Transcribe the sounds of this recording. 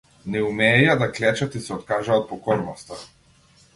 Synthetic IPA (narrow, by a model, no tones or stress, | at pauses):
nɛumɛːjad̪aklɛt͡ʃat̪isɛɔt̪kaʒaɔt̪̚pɔkɔɾnɔst̪a